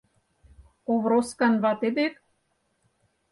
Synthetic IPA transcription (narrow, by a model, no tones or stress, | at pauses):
oβɾoskɑnβɑt̪ed̪ek